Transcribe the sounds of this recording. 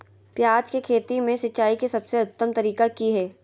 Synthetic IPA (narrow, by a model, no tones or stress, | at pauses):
pjaːd͡ʒkekʰeːt̪imẽsɐt͡ʃaːikisɐbseʊt̪ːəmt̪ɐɾiːkakiɦɛː